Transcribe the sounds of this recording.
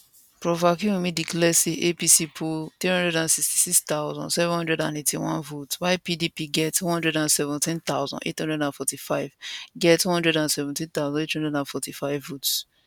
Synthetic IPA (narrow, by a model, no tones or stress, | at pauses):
pɹɔvakiwĩmĩdiklɛseʔepisipʰoθɹihɔ̃ndɹɛdãnsiksti̥sikst̪aʊzɔ̰̃nsɛvɛ̃nhɔ̃ndɹɛdã̰netʰiwɔ̰̃nvotwaɪpidipiɡɛtw̃hɔ̃ndɹɛdãnsɛvɔ̃ntĩnt̪aʊzɔ̰̃nʔḛthɔ̃ndɹɛdãnfɔtifaɪvɡɛtuhɔ̃ndɹɛdãnsɛvɛ̃ntĩnt̪aʊwzɔ̃nethɔ̃ndɹɛdãnfɔtifaɪvːots